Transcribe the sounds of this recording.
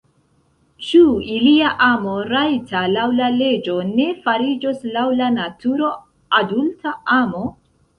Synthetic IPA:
t͡ʃuiliaʔamo̞ɾajtʰalawlale̞d͡ʒo̞ne̞faɾid͡ʒoslawlanatuɾo̞ | adultʰaamo̞

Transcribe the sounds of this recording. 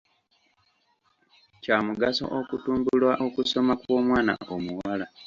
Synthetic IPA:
caːmuɡaso̞̰ʔokutuːmbulwaʔokuso̞makuo̞ːmwaːna̰ʔomuwala

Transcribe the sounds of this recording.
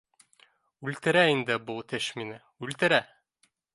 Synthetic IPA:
ʉlt̪ɘ̆ɾæind̪ɘbulˠt̪ɘʃminɘ | ʉlt̪ɘ̆ɾæ

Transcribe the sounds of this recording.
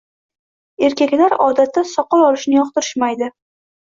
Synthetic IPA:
e̞ɾkʲakʲlaɾɒd̪at̪ʰːasɒqɒlɒlɪʃnɪjɒqt̪ɪɾɪʃmajd̪ɪ

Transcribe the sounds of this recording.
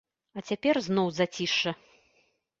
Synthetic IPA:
ɐt͡sʲapʲɛrznɔwzat͡sʲiʂɐ

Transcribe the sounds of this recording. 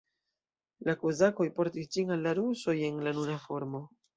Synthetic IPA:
lakozako̞jpo̞ɾtisd͡ʒiŋalːaɾuso̞je̞nlanuɾafo̞ɾmo̞

